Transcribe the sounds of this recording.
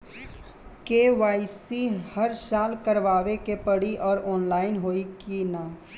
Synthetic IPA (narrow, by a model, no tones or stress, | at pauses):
keːʋaːisihɐɾsaːlkɐɾʋaːʋekepɐɽiʔɔːɾɔːnlaːɪnɦoːikinaː